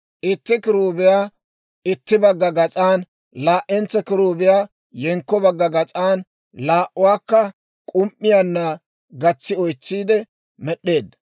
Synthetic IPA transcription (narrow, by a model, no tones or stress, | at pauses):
ʔɪt̪ːɪkɪɾuːbɪjaː | ɪt̪ːɪbɐɡːɐɡɐt͡sʼaːn | laːʔɛnt͡sːɛkɪɾuːbɪjaː | jɛŋkːɔbɐɡːɐɡɐt͡sʼaːn | laːʔʊwaːkːɐ | kʼʊmʔːɪjanːɐ | ɡɐt͡sːɪɔjt͡sːiːd̪ɛ | mɛɗːe̞ːd̪ːɐ̥